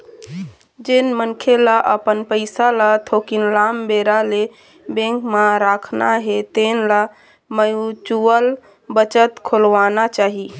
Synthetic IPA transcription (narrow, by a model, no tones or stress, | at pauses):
d͡ʒenmənkʰelaʔəpənpəɪsalat̪ʰokinlambeɾale | bẽŋkmaɾakʰna̰ɦet̪enla | məjut͡ʃuəl | bət͡ʃət̪kʰolʋanat͡ʃaːɦi